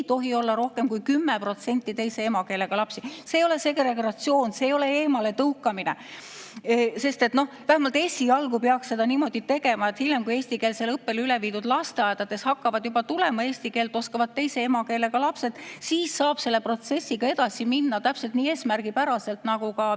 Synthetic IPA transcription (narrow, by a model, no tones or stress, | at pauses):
t̪o̞ɦio̞lːɑɾo̞hke̞mkujkymːepro̞t̪senʲt̪ːˑit̪e̞jse̞e̞mɑke̞ːle̞ɡ̥ɑlɑpsiseːjo̞le̞se̞krekrɑt̪sio̞ːnse̞ːjo̞le̞eːmɑle̞t̪ɤukːˑɑmine | se̞st̪e̞t̪no̞hvæhæmɑlt̪e̞sʲiɑlɡupeɑkssːe̞d̪̥ɑniːmo̞d̪̥it̪e̞ɡ̥e̞mɑet̪hiljemkujeːsʲt̪ikeːlselɤpːe̞lyleviːd̪̥ud̪lɑst̪eɑed̪̥ɑd̪̥e̞shɑkːɑvɑd̪̥jubɑt̪ulemɑe̞ːsʲt̪ike̞ːlt̪ˑo̞skɑvɑd̪̚t̪ːe̞jse̞emɑkeːle̞ɡ̥ɑlɑpse̞d̪̥siːsːɑːb̥se̞lːe̞pro̞t̪se̞sːiɡ̥ɑe̞d̪̥ɑsiminːɑt̪æpse̞lt̪niːeːsmærɡ̥ipæɾɑse̞lt̪nɑɡ̥ukɑ